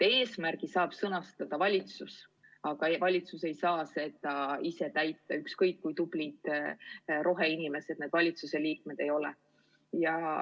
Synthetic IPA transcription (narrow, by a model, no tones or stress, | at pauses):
e̞ːsmærɡ̥isɑːb̥sɤnɑst̪ɑd̪̥ɑvɑlʲit̪sus | ɑɡ̥ɑevɑlʲit̪suse̞jsɑːse̞d̪̥ɑise̞t̪æjt̪ːˑɑykskɤjkːujt̪ub̥lit̪ | ɾo̞ɦeinime̞set̪ned̪̥vɑlʲit̪suse̞liːk̚me̞d̪̥e̞jo̞lɛ̰ | jɑ